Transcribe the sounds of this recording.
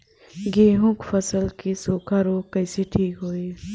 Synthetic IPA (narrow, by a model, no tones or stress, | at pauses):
ɡeːɦũːkfɐsəlkisoːkʰaɾoːkɐjseʈʰiːkɦoːiː